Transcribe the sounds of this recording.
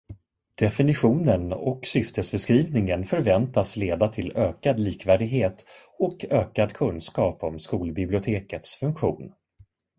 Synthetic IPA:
d̪̥ɛfɪnɪɧuːnənɔ̰ksʏft̪əsbɛskɾiːvnɪŋənfœɾvɛnt̪asleːd̪at̪ʰɪløːkad̪liːkvæːɖɪɡɦeːt̪ | ɔkøːkad̪kʰɵnskɑːpɔmskuːlbɪblɪʊt̪ʰeːkət̪sfɵŋkɧṵːn

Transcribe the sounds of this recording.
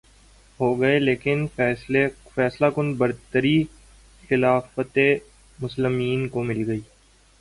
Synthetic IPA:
ɦoːɡɐeleːkɪnfɛːsefɛːslakʊnbɐɾt̪əɾi | xɪlaːfət̪e | mʊslɪmiːnkomɪlɡɐiː

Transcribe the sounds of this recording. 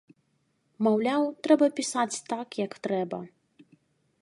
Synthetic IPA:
mawlʲawt̪ɾɛbɐpʲisat͡sʲt̪akjɐkt̪ɾɛbɐ̰

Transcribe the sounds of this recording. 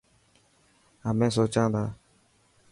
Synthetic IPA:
amɛ̃s̬ot͡ʃãːd̪aː

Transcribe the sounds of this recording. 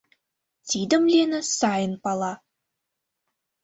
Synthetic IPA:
t̪ʲid̪ə̆mlʲenɘ̆sɑjə̆npɑlˠɑ

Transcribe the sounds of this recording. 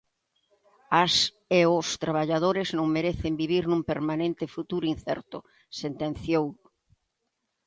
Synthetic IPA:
as | eost̪ɾaβaʎaðoɾɪznõŋmeɾeθɪmbiβiɾnũmpeɾmanẽnt̪ɪfut̪uɾʊin̟θɛ̰ɾt̪ʊ | sent̪ẽnθjow

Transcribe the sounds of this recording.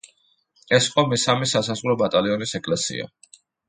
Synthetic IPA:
ɛsiqʼɔmɛsamɛsasazʁɾɔbat̪ʼaliɔnisɛkʼlɛsḭa̰

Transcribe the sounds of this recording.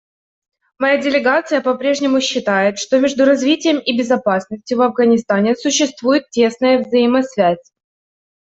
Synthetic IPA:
mɐjadʲɪlʲɪɡat̪sɨjəpɐpɾʲe̞ʐnʲɪmʊɕːɪt̪ajɪt̪ʂt̪o̞mʲe̞ʐd̪ʊɾɐzvʲitʲɪjəmɪbʲɪzɐpasnəsʲtʲjʊvɐvɡənʲɪst̪anʲɪsʊɕːɪst̪vujɪt̪̚tʲːe̞snəjəvzəjɪmɐsvʲæsʲ

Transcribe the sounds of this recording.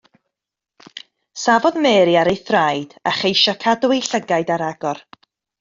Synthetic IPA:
savɔðmɛːɾiaɾejθrajd̥a̰χejʃakʰadwejɬəɡaɨdaɾaɡɔr

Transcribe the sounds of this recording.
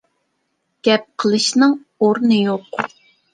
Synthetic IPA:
ɡ̥ʲɛp̚qʰəlˠɨʃnɨŋ | oɾnɨjoq

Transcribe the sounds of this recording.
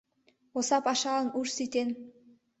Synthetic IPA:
osɑpɑʃɑɤnuʃsit̪ʲen

